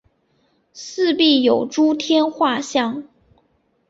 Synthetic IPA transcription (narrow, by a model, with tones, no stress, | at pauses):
sɹ̩˥˧pi˥˩jo˨˩ʊʈ͡ʂu˥t̪ʰjɛ˥nxwa˥˧ɕjɑ˥˩ŋ